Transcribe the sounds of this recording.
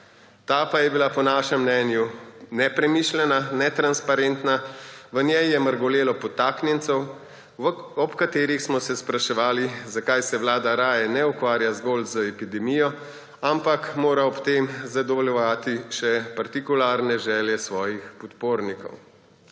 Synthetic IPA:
t̪aːpajɛbilapɔnaːʃɛmːnɛːnjunɛpɾɛmiʃlɛnanɛt̪ɾanspaɾɛnt̪naʋənjɛjjɛməɾɡɔleːlɔpɔt̪aːknjɛnt̪sɛw | ɔpkat̪eːɾixsmɔsɛspɾaʃɛʋaːlizakajsɛwlaːd̪aɾaːjɛnɛukʋaːɾjazɡolzəɛpid̪ɛmijɔ | ampakmoːɾaɔpt̪emzad̪ɔʋɔljɔʋaːt̪iʃɛpaɾt̪ikulaːɾnɛʒɛːljɛsʋɔːjixpɔt̪poːɾnikɔ̰w

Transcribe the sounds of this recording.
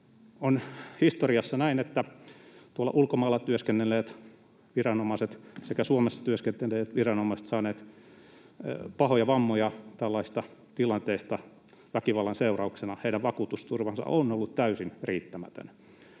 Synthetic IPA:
onhist̪oriɑsːɑnæinet̪ːæt̪uolːɑ̰ʔulkomɑilːɑt̪yøskenːelːˑeːt̪ | ʋirɑnomɑset̪sekæsuomesːɑ̥t̪yøskent̪elːˑeːt̪ʋirɑnomɑiset̪sɑːneːt̪ | pɑhojɑʋɑmːojɑt̪ælːɑist̪ɑt̪ilɑnt̪eist̪ɑ | ʋækiʋɑlːɑnseurɑuksenɑheidæʋʋɑkuːt̪ust̪urʋɑnsɑ̰ʔonolːut̪t̪æysinriːt̪ːæmæ̰t̪ø̰n

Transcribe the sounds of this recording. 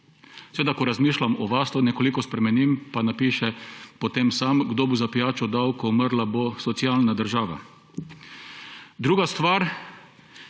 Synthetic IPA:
seɛʋeːd̪akɔɾazmiːʃlamɔʋast̪ɔnɛkolikɔspɾɛmɛnimpanapiːʃɛpɔt̪emsamɡd̪obozapijaːt͡ʃɔd̪awkɔməɾlabosɔt̪sialnad̪əɾʒaːʋa̰ | d̪ɾuːɡast̪ʋaɾ

